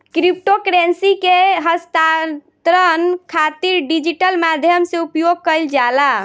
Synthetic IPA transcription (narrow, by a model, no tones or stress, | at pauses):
kɾip̚ʈokɾensikeɦəst̪at̪ɾənkʰat̪iɾɖid͡ʒiʈəlmad̪ʱjəmseupjoɡ̚kəjld͡ʒala